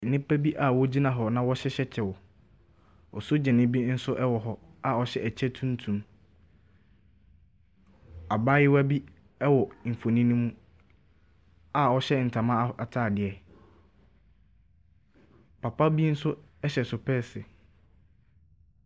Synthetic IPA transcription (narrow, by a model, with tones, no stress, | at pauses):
n̩˨nɪ̃˦pʰɛ˦bi˦ʔa˨wɔ˦d͡ʑi˦nã˨ɦɔ˨nã˦wɔ˦ɕɛ˦ɕɛ˦t͡ɕʰɛ˨wɔ˨ | ɔ˨sʊ˦d͡ʑɛ̃˨nɪ̃˦bi˦n̩˦sʊ˦ʔɛ˦wɔ˨ɦɔ˦a˨ɔ˨ɕɛ˦æ˨t͡ɕʰɛ˦tʰũ˦n˦tʰũ˨m | a˨baː˦jɪ˦wa˦bi˦ | ɛ˦wɔ˨m̩˨fo˨nĩ˦nũ˦mũ˦ | a˨ɔ˦ɕɛ˦n̩˨tʰa˨mã˦a˨tʰaː˦˨dɪ˨ɛ˨ | pʰa˨pa˦bi˦n̩˦sʊ˦ɛ˦ɕɛ˨sʊ˨pʰɛ˦sɪ˨